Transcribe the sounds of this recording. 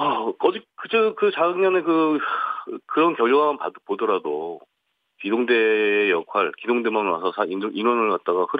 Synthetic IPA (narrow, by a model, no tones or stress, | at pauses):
akʌd͡ʑik̚k͈ɯd͡ʑʰɯɯkɯt͡ɕaɡɯŋɲanɯkɯ | kɯɾʌnkjʌɭjoɡamanpa̰dɯpodʌɾado | kidoŋde̞jʌkʰwaɭkidoŋde̞manwasʰʌsʰaiinwʌnɯɭkat̚t͈aɡakʰɯɾ